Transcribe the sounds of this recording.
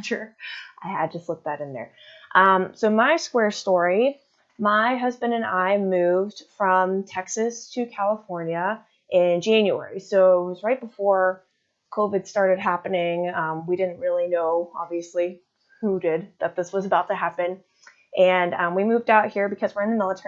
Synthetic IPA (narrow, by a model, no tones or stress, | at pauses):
t͡ʃə˞ʔaɪɨd̚tʰɨslɪt̚ðɨɾɨ̃nðə̰˞ | ʔʌ̃msoʊmaɪskwɛɹstɔɹi | maɪɦʌzbɨ̃ndɨ̃naɪmʉvd̥fɹʌ̃mtʰɛksɨstʰɨkʰælˠəfɔɹnjɨ | ʔɪ̃nd͡ʒæ̃njʉɛ̰ɹisoʊɪt̚wʌzɹaɪt̚b̥əfɔɹ | kʰoʊvɨd̥stɑɹɾɨd̚ɦæpɨnɪ̃ŋʌ̃mwiɾɪdⁿn̩t̚ɹɪlˠinoʊɑ̰bviɨsli | hudɪd̪̚ðɨt̪̚ðɪswʌzəbaʊtɨɦæpɨ̃n | ʔɨ̃nʌ̃mwimʉvdaʊt̚hiɹbɨkʰʌzwə˞ɨ̃nðɨmɪlˠətʰɛ